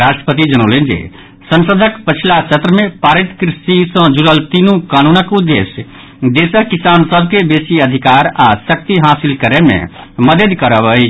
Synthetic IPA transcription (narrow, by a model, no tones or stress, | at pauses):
ɾaːsʈɾə̥pət̪id͡ʒənoːlẽnd͡ʒḛ | sə̃nsəd̪ʱəkpət͡ʃʰlasət̪ɾəmẽpaːɾit̪kɾɪsisə̃d͡ʒuɾəlt̪iːnũkaːnuːnəkud̪eːs | d̪eːsəkisaːnsəb̚ʱkebeːsiəd̪ʱikaːɾasək̚t̪iɦaːsilkəɾemḛ̃məd̪əd̪kəɾəbəi